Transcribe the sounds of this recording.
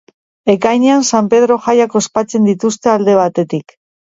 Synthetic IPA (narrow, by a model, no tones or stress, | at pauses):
e̞kajɲeansampe̞ð̞ɾo̞xajako̞spat͡se̞nd̪it̪ust̪e̞ald̪e̞β̞at̪e̞t̪ik